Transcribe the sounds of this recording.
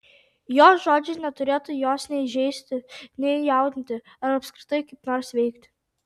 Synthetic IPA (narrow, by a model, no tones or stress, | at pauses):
joːsʒoːd͡ʒʲɪnʲɛt̪ʊɾʲeːt̪ʊjoːsnʲɛɪʒʲɛɪsʲt̪ʲɪnʲɛjɑˑʊd̪ʲnʲt̪ʲɪ | ɐɾɐpskɾʲɪt̪ɐjkɐɪpnɔːɾsʋʲɛɪkt̪ʲ